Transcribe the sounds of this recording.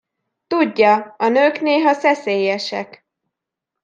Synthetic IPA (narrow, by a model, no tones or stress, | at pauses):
t̪uɟːɒɒnøːkneːɦɒsɛseːjɛʃɛk